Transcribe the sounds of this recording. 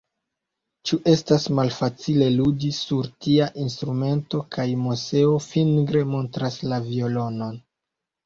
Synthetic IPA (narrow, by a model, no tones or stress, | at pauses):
t͡ʃuʔe̞stasmalfat͡sile̞ludisuɾtiaʔinstɾume̞nto̞kʰajmose̞o̞finɡɾe̞mo̞ntɾaslavio̞lo̞no̞n